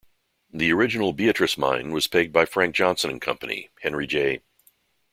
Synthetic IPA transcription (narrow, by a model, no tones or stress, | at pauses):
ðiə˞ɪd͡ʒɨnl̩ˠbiɨt͡ʃɹ̥ɨsmã̰ɪ̃nwʌz̥pʰeɪd̚baɪfɹæ̃ŋk̚d̥ʒ̥ɑ̃nsɨ̃ñn̩kʰʌ̰̃mpənḭhɛ̃nɹid͡ʒeɪ